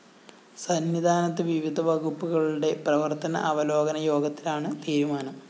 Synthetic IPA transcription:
sɐnʋid̪ʱaːnɐt̪ːɨʋiʋid̪ʱɐʋɐɣupːuɣɐɭuɽe̞prɐʋɐrt̪ɐnɐ̰ʔɐʋɐlo̞ːɡɐnɐjo̞ːɡɐt̪ːi̥laːɳɨt̪iːɾumaːnɐm

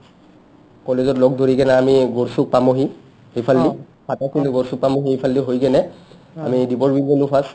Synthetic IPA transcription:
kɔlezɔtlɔk̚dʱoɹiɡɛnaamiɡɔɹsuk̚pamoɦi | hipʰaldi | pʰatakiluɡoɹsuk̚pamoɦiepʰaldiɦojɡɛnɛ | a̰midibɔɹbinenupʰas

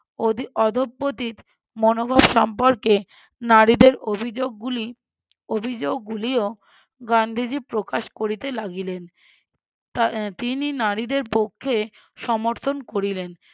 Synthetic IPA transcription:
ɔd̪ʱobːot̪it̪ | monobʱabʃɔmpoɾke | naɾid̪eɾobʱid͡ʑoɡuli | obʱid͡ʑoɡ̚ːulio | ɡand̪ʱid͡ʑipɾokaʃkoɾit̪elaɡilen | t̪ininaɾid̪eɾpokʰːe | ʃɔmoɾt̪ʰonkoɾilen

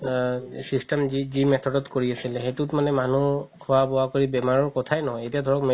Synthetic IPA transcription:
sistɛmizimɛt̪ʰɔdɔtkoɹiasilɛxetutmanɛmanukʰɔwabɔwakoɹibɛmaɹɔɹkɔtʰajnɔɦɔjejtijadʱɔɹɔkm

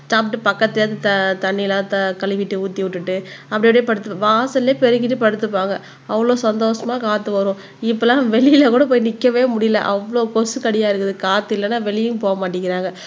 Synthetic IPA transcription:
saːp̚ʈɯpɐkːɐt̪ːt̪ːɯt̪ɐt̪ɐɳːɪɪlãːt̪ɐkɐɭɪʋɪʈːɯuːt̪ːiʋʊʈːɯʈːɯɐpːɐɽɪɐːɽepɐɽɯt̪ːɯpːʋaːsɐlːeːpɛɾɯkːɪʈːɯpɐɽɯt̪ːɯpːaːŋɡɐ | ɐʋːɐɭoːsɐnd̪oːʂɐmaːkaːt̪ːɯʋɐɾʊ̃ː | ɪpːɐːlãːʋɛɭɪɪlɐkuːɽɐpoːjnɪkːɐʋeːmʊɽɪjɪlɐ̰ʔɐʋːɐɭoːkɔsɯkɐɽɪjaːɪɾɯkːɯðɯkaːt̪ːɯɪlːɐnːaːʋɛɭɪjɯ̃poːɐmaːʈ̬ːɪŋɡɪɾaːŋɡɐ

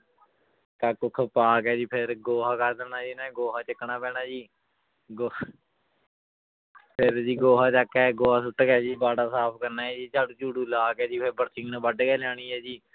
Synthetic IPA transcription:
kaːkʊkʰpaːkɛːd͡ʒiːpʰɪɾɡoːɦaːkəɾd̪ənaːd͡ʒiːnɛ̃ːɡoːɦaːt͡ʃəkːɳaːpɛːnaːd͡ʒiː | ɡo | pʰɪɾd͡ʒiːɡoːɦaːt͡ʃakɛːɡoːɦaːsʊʈːkɛːd͡ʒiːbaːɖaːsaːpʰkəɾnaːɛːd͡ʒiːt͡ʃaːɖũːt͡ʃuːɽũːlaːkɛːd͡ʒiːpʰɪɾbəɾsɪ̃ŋɡnãːbəɖkɛːlaːɽ̃iːɛːd͡ʒiː

